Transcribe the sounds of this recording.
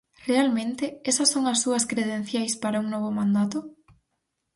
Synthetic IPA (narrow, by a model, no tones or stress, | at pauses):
realmẽnt̪eesɐsːoŋɐsːuɐskɾeðen̟θjajspaɾauŋnoβ̞omãnd̪at̪o